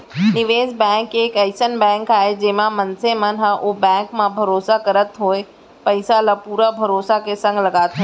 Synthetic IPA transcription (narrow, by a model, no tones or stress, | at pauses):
nɪʋeːzbɛ̃ːŋkeːkəɪsənbɛ̃ːŋkaːɦed͡ʒeːmãmənsemə̃nɦaʔobɛ̃ːŋkmãbʱɐɾoːsakɐɾət̪ɦoːe | pɐɪsalapuːɾabʱɐɾoːsakesɐ̃ŋɡlɐɡaːt̪ẽ